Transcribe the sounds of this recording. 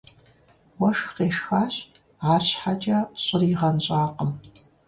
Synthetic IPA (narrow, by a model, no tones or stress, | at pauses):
wɔʂqeːʂxaːɕ | ʕaːrɕħat͡ʃʼɐɕʼɪrɪʁɐnɕʼaːqəm